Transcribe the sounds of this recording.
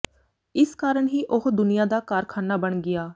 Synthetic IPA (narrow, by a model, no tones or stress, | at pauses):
ɪskaːɾəɳɦiːʔʊɦd̪ʊnijaːd̪aːkaɾkʰaːnaːbəɳɡɪjaː